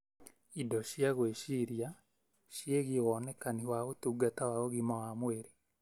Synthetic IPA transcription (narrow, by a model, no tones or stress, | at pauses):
idɔʃjaɣweʃiɾja | ʃjeɣiwɔnɛkaniwaɣot̪uɡat̪awaɣɔɡimawamweɾi